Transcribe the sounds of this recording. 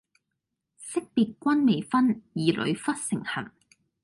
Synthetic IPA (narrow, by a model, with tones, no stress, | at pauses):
sɪ˥k̚piː˨t̚kʷɐ˥nme˨˧jfɐ˥njiː˨lʔɵ̰˨˧ɥfɐ˥t̚sɪ˨˩ŋhɐ̰˨˩ŋ